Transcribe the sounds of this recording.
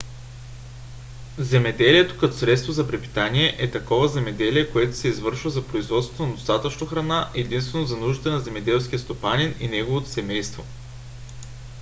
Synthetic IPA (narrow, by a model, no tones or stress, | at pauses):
zɛmɛd̪ɛliɛt̪o̥kɐt̪ɔ̥sɾɛt̪st̪vozɐpɾɛpi̥t̪anʲiɛʔɛt̪ɐkɔvɐzɛmɛd̪ɛliɛkoɛt̪ʊ̥sɛizvɤɾʃvəzɐpɾoizvɔt̪st̪onɐd̪ost̪at̪ət͡ʃnoxɾɐnaʔɛd̪inst̪vɛnozɐnuʒd̪ət̪ɐnɐzɛmɛd̪ɛlˠsk̟ʲiəst̪opanʲinḭnɛɡovot̪o̥sɛmɛjst̪vo